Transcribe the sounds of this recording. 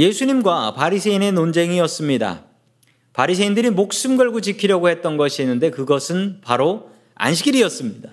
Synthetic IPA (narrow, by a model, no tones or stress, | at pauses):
je̞sʰuɲimɡwapaɾisʰe̞ine̞nond͡ʑe̞ŋiʌs͈ɯmɲida̰ | paɾisʰeindɯɾimok̚s͈ɯmɡʌɭɡot͡ɕikʰiɾjʌɡohe̞t̚t͈ʌnɡʌɕʰienːɯnde̞kɯɡʌsʰɯnpaɾo | a̰nɕ̬ʰiɡiɾiʌs͈ɯmɲida